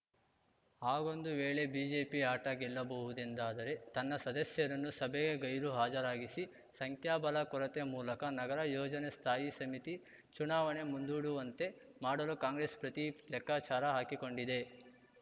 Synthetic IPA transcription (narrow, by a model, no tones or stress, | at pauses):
haːɡo̞nd̪uʋeːɭe̞biːd͡ʒe̞ːpiaːʈɐɡɛlːɐbɐʋud̪end̪aːd̪ɐɾe̞t̪ɐnːɐsɐd̪ɐsjɐɾɐnːusɐbeɡe̞ɡɐjɾuɦaːd͡ʒɐɾaːɡisi | sɐŋkʰjaːbɐlɐkɔɾɐt̪emuːlɐkɐnɐɡɐɾɐjɔːd͡ʒɐnest̪ʰaːjisɐmit̪i | t͡ʃunaːʋɐne̞mund̪uːɽuʋɐnt̪e̞ | maːɽɐlukaːŋɡɾespɾɐt̪ilɛkːaːt͡ʃaːɾɐɦaːkiko̞ɳɖid̪e̞